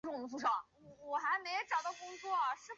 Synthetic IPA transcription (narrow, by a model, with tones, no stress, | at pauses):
ʈ͡ʂʊ˥˩ŋ˥˩fu˥˩ʂɑ˥˩˨ | wɔ˨˩xa˧˥ɪme˧˥ɪ˧ʈ͡ʂɑ˨˩ʊt̪ɑ˥˩ʊkʊ˥ŋt͡swɔ˥˩ɐ˩ʂɻ̩˥˩